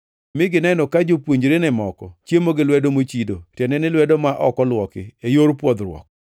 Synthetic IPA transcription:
mɪɡɪnɛnɔkad͡ʒopwoɲd͡ʒɾenɛmɔkɔt͡ʃjemoɡɪlwɛdomot͡ʃidotɛnɛnɪlwɛdomaʔɔkɔlwɔkɪejoɾpwɔd̪ɾwɔ̰k̚

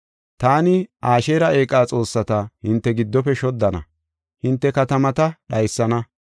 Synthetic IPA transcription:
t̪aːnɪaːʃe̞ːɾɐe̞ːkʼːaːt͡sʼo̞ːsːɐt̪ɐhɪnt̪ːɛɡɪd̪ːɔpɛʃɔd̪ːɐnɐ̰ | hɪnt̪ːɛkɐt̪ɐmɐt̪ɐɗɐjsːɐnɐ

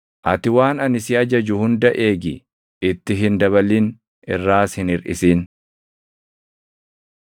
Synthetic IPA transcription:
ʔɐt̪ɪwaːnɐnɪsɪɐd͡ʒɐd͡ʒʊhʊnd̪ɐʔe̞ːɡɪ | ɪt̪ːɪɦɪnd̪ɐβɐlːiːn | ʔɪ̰rːaːshɪnɪɾʔɪ̰siːn

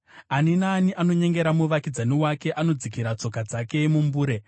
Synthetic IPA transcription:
aninaːniʔano̞ɲe̞ŋɡe̞ɾamuʋakid͡zaniwake̞ʔano̞d͡zikiɾat͡so̞kad͡zake̞mumbuːɾe̞

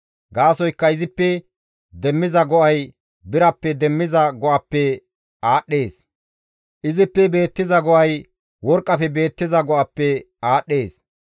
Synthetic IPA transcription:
ɡaːsɔjkːɐɪzɪpːɛ | d̪ɛmːɪzɐɡɔʔɐj | bɪɾɐpːɛd̪ɛmːɪzɐɡɔʔɐpːɛ | aːɗːe̞ːs | ʔɪzɪpːɛbe̞ːt̪ːɪzɐɡɔʔɐj | wɔɾkʼːɐfɛbe̞ːt̪ːɪzɐɡɔʔɐpːɛ | aːɗːe̞ːs

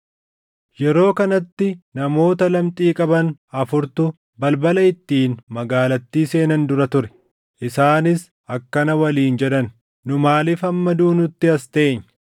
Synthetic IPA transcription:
jɛɾo̞ːkɐnɐt̪ːɪnɐmo̞ːt̪ɐlɐmt̪ʼiːkʼɐbɐnɐfʊɾt̪ʊ | bɐlbɐlɐɪt̪ːiːnmɐɡaːlɐt̪ːiːse̞ːnɐnd̪ʊɾɐt̪ʊɾɛ̥ | ʔɪsaːnɪs | ɐkːɐnɐwɐliːnd͡ʒɛᶑɐn | nʊmaːlɪfɐmːɐd̪uːnʊt̪ːɪɐst̪eːɲː

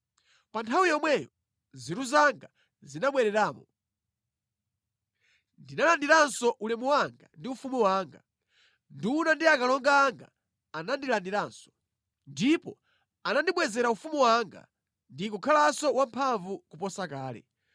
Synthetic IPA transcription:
pantʰawijɔmwɛjɔ | ziɾuzaŋɡa | zinaɓwɛɾɛɾaːmɔ | ndinalandiɾansɔʔulɛmuwaŋɡandiufumuwaːŋɡa | ndunandiakalɔŋɡaːŋɡa̰ː | nandilandiɾansɔ̥ | ndipɔ | anandiɓwɛzɛɾaufumuwaŋɡa̰ | ndikukʰalasɔwampʰaɱvukupɔsakaːlɛ̰

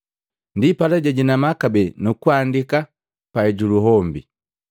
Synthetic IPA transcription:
ndipalɛɟɛɟinamakabɛnukuandika | paɛɟuluɦɔmbi

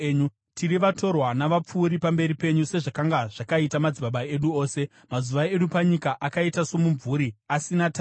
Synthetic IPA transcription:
ɲu | tʰiriʋato̞rwanaʋap͡fuːɾipambe̞ɾipe̞ɲuse̞ʐakaŋɡaʐ̥akaitamad͡ziɓaɓae̞ɗuo̞ːse̞ | mazuʋae̞ɗupaɲikaʔakaitaso̞muɱvuɾiasinata

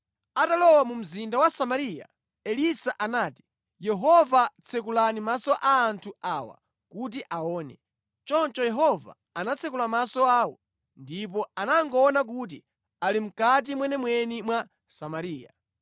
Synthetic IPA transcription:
atalɔwamum̩zindawasamaɾija̰ | ɛlisaʔanaːti̥ | jɛɦɔvat͡sʰɛkulanimasɔʔaːntʰuaːwa̰ | kut̬iʔaɔːnɛ̰ | t͡ʃɔnt͡ʃɔjɛɦɔva̰ːnat͡sʰɛkulamasɔaːwɔ̰ | ndip̬ɔanaŋɡɔːnak̬uːt̬i | alim̩kat̬imwɛnɛmwɛnimwa | samaɾiːja̰

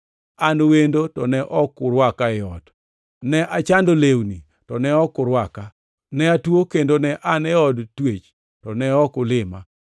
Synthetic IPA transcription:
anwendotɔnɛʔɔkːʊɾwakaɪɔd | nɛʔat͡ʃandolewni | tɔnɛɔkʊɾwaka | nɛatwokendonɛʔanɛɔdtwet͡ʃ | tɔnɛɔkʊlɪma

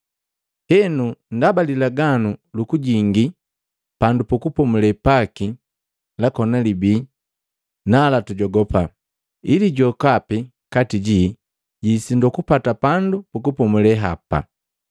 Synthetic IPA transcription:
hɛnundabalilaɡanulukuɟiŋɡi | pandupukupɔmulɛpaki | lakɔnalibi | nalatuɟɔɡɔpa | iliɟɔkapi | katiɟi | ɟisindɔkupatapandupukupɔmulɛɦapa̰

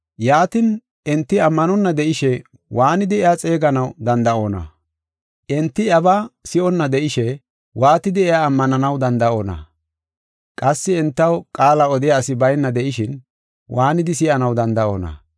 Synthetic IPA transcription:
jaːt̪ɪn | ʔɪnt̪ːɪɐmːɐnɔnːɐd̪ɛʔɪʃɛ | waːnɪd̪ɪɛat͡sʼe̞ːɡɐnɐwd̪ɐnd̪ɐʔoːnɐ̰ | ʔɪnt̪ːɪɐbɐsɪʔɔnːɐd̪ɛʔɪʃɛ | waːt̪ɪd̪ɪɛaːmːɐnɐnɐwd̪ɐnd̪ɐo̞ːnɐ̰ | kʼɐsːɪɛnt̪ːɐwkʼaːlɐɔd̪ɪjasɪbɐjnːɐd̪ɛʔɪʃɪn | waːnɪd̪ɪs̬ɪʔɐnɐwd̪ɐnd̪ɐʔo̞̰ːnɐ̰

